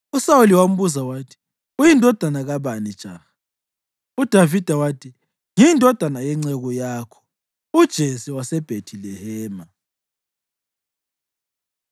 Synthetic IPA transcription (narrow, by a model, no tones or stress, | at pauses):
usauliwam̩βuzawaːtʰi̥ | ujindʱɔd̥ʱanaɣaβanid̥ʒ̥ʱʼa̰xa | ud̥ʱavid̥ʱawaːtʰi | ŋindʱɔd̥ʱanajɛŋ͡ǀɛɣɔjaːkʰɔ̥ | ud̥ʒ̥ʱesiwasɛb̥ʱetʰilɛhɛːma